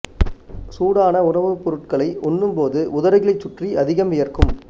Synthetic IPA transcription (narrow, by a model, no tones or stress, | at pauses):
suːɽaːnɐʊɳɐʋɯpːɔɾɯʈ̚kɐɭɐɪʔɔnːɯmpoːðɯʔʊðɐɾɐɣɪɭɐɪt͡ʃːʊʈriɐðɪɣɐmɪjɐrkɯm